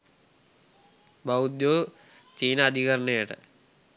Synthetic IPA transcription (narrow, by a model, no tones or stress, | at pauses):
bɐud̪joː | t͡ɕiːnɐd̪ʱiɣɐɾɐɳejiʈɨ̰